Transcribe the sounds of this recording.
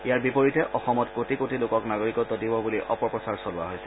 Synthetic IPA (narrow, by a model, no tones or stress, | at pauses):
ijaɹbipoɹitɛʔʔɔxɔmɔtkotikotilokɔknaɡoɹikɔtːɔdibɔbuliʔɔ̰pɔɹɔsaɹsɔlʊa̰ɦojsɛ̥